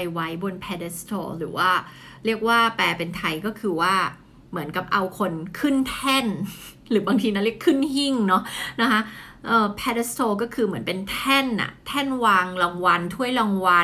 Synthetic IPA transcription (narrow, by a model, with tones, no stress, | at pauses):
jwa˦˥jbo˧npʰɛː˧de˧˥st̪ʰo̰ː˧ɾɯ̰ː˩˦waː˥˩ | ɾi˥˩ək̚waː˥˩pɛː˧˩pe˧nt̪ʰa˧jkɔː˥˩kʰɯː˧waː˥˩ | mɯ˩˦ənka˨˩p̚ʔa˧wkʰo˧nkʰɯ˥˩nt̪ʰɛ˥˩n | ɾɯː˩˦baː˧ŋt̪ʰiː˧na˦˥li˥˩əkʰɯ˥˩nhi˥˩ŋnɔ˦˥na˦˥kʰa˦˥ʔɤː˧˩pʰɛ˧de˧˥st̪ʰoː˧k̬ɔː˥˩kʰɯː˧mɯ˩˦ənpe˧nt̪ʰɛ˥˩nʔa̰˨˩t̪ʰɛ˥˩nwaː˧ŋla˧ŋwa˧nt̪ʰu˥˩əjla˧ŋwa˧